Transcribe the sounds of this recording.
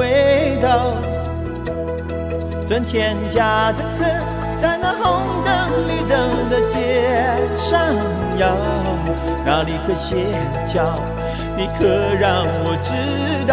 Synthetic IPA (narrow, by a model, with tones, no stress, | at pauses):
e˥t̪ɑ˥˧ʊ | ʈ͡ʂə˧˥nt̪ʰjɛ˧˥nt͡ɕja˥ʈ͡ʂə˥˩t͡s̩ʰ˧ | t͡sa˥˧ɪna˧xo˥ŋt̪ə˧˥ŋli˨˩t̪ə˧˩ŋd̪ə˧t͡ɕjɛ˧˥ | ʂa˥˧n | jɑ˧˦ | na˧˥li˨˩kʰwe˥˧ɪɕjɛ˧˥ | nt͡ɕʰjɑ˧˥ʊ | ni˨˧˩kʰɤ˧˩ɻɑ˥˩ŋwɔ˨˩ʈ͡ʂɻ̩˥ | t̪